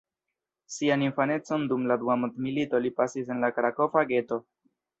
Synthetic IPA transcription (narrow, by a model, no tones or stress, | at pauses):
sianinfane̞t͡so̞ndumladuamudmilito̞lipasis̬e̞nlakɾako̞faɡe̞to̞